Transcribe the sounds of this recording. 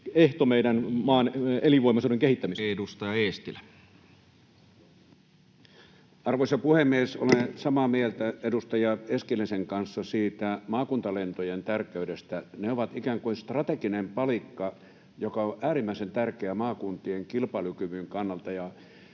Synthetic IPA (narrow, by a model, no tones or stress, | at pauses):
eht̪omeidænmɑːneliʋoˑimɑsuːɾeŋkehit̪ːæmisedust̪ɑjɑeːst̪ilæ | ɑrʋoisɑpuhemːieso̰lensɑmɑmielt̪æedust̪ɑjɑeskileseŋkɑnsːɑsiːt̪æmɑːkunt̪ɑlent̪ojent̪ærkːˑeydest̪æneoʋɑt̪ikæːŋkuinst̪rɑt̪ekinempɑlikːɑ | jokɑoʔæːrimːæˑisent̪ærkeæmɑːkunt̪ieŋkilpɑlukyʋyŋkɑnːɑlt̪ɑjɑ